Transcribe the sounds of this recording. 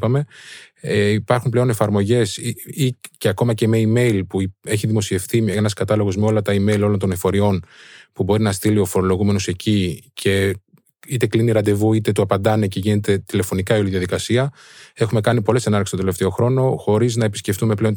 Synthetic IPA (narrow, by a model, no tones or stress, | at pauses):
pɐme̞eipɐɾxumple̞o̞ne̞fɐɾmo̞ʝe̞siceɐko̞mɐce̞me̞ime̞ilpue̞çiðimo̞sie̞fθienɐskɐt̪ɐlo̞ɣo̞zmeo̞lɐt̪ɐime̞ilo̞lo̞nt̪o̞nefo̞ɾio̞npubo̞ɾinɐst̪ilio̞fo̞ɾo̞lo̞ɣume̞no̞se̞cicʰe̞ | it̪e̞kliniɾɐnd̪e̞vuit̪e̞t̪uɐpɐnd̪ɐne̞ce̞ʝine̞t̪e̞t̪ile̞fo̞nikɐioliðiɐðikɐsiɐ | e̞xume̞kɐnipo̞lesenɐɾkest̪od̪eleft̪e̞o̞xɾo̞no̞xo̞ɾiznɐepisce̞ft̪ume̞ple̞o̞n